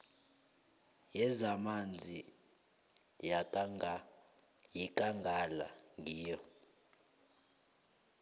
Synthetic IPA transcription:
jɛzamand͡zʱi | ja | jikʼaŋɡʱala̰ŋɡʱiːjɔ

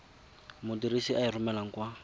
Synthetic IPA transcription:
mʊdiɾisiʔairʊmɛlaŋ̩kwa

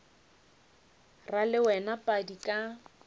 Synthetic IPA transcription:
ralɪwɛnapʼadikʼa

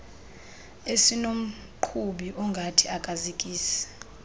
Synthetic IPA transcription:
esinom̩ | ǃʰuɓiʔɔŋɡʱatʰiakʼazikʼiːsi̥

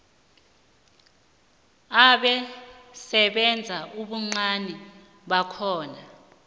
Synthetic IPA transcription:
aɓɛsɛɓɛnd͡zʱaʔuɓuŋ͡ǀanɛ | ɓakʰɔːna

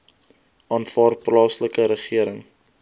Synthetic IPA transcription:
ɑːnfɑːrplɑːsləkəɾəχiəɾəŋ

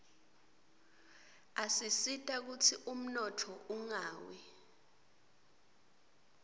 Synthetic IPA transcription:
asisitʼak̬utʰiʔum̩nɔtʰɔuŋaːwi

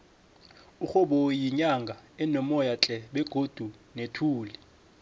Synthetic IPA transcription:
uxɔɓɔjiɲaŋɡʱaɛnɔmɔjat͡ɬʼɛɓɛɡ̥ʱod̥ʱunetʰuːlɛ

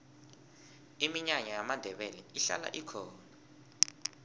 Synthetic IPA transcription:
imiɲaŋɛjamandʱɛɓɛlɛiɬa̰la̰ʔikʰɔːna

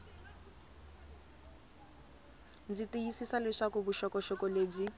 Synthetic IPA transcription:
d͡zitiisisalɛʂakɔbuʃɔkɔʃɔkɔleːb͡ʐi

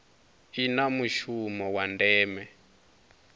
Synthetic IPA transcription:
inamuʃumɔwandɛːmɛ

